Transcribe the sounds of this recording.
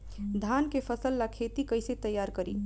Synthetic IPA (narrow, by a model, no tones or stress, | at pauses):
d̪ʱankepʰəsəlːakʰet̪ikəjset̪əjːaɾkəɾḭ